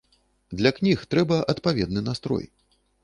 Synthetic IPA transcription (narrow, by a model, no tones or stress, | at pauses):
d̪lʲɐknʲixt̪ɾɛbɐʔɐt̪pavʲɛd̪̚nɨnast̪ɾɔ̰j